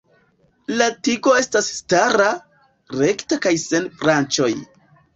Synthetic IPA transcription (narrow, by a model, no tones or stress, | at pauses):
latiɡo̞e̞stasːtaɾa | ɾe̞ktakajse̞nfɾant͡ʃo̞j